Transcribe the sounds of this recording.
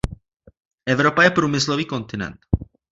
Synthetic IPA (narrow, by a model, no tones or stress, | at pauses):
ʔɛvɾo̞pajɛpɾuːmɪsloviːko̞nt̪ɪnɛ̰nt̪